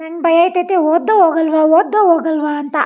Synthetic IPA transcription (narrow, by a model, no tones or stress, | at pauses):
nɐnbɐjaːjt̪ɐt̪eɦoːd̪ːɐɦoːɡɐlʋaɦoːd̪ːɐɦoːɡɐlʋaɐnt̪ɐ